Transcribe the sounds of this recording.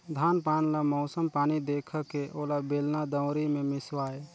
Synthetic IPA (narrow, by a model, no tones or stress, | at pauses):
d̪ʱaːnpaːnlamɔʊsəmpaːnid̪eːkʰəkeʔoːlabeːlnad̪əʊɾimẽmɪswaːe